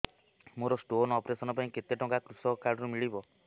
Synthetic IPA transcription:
moɾɔsʈonɔpɾesɔnɔpaĩket̪eʈɔŋkakɾusɔkaɾɖɔɾumiɭibɔ

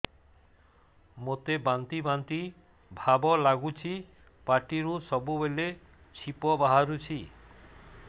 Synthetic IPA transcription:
mot̪ebant̪ibant̪i | bʱabɔlaɡut͡ʃʰi | paʈiɾusɔbubele | t͡ʃʰipɔbaɦaɾut͡ʃʰi

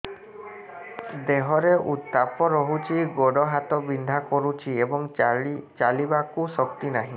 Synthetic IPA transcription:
d̪eɦɔɾeʔut̪ːapɔɾɔɦut͡ʃʰiɡoɽɔɦat̪ɔbind̪ʱakɔɾut͡ʃʰiebɔŋt͡ʃalibakusɔk̚t̪inaɦĩ

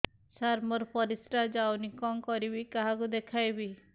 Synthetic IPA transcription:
saɾmɔɾpɔɾisɾad͡ʒawnikɔŋkɔɾibikaɦakud̪ekʰajbi

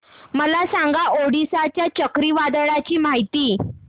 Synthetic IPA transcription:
məlasãŋɡaʔoɽisat͡ɕjat͡ɕəkɾiːʋad̪əɭat͡ɕiːmaɦit̪iː

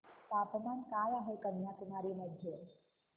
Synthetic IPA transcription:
t̪aːpmankaːjaɦəkənjak̪unaːɾiːməd̪ʱje

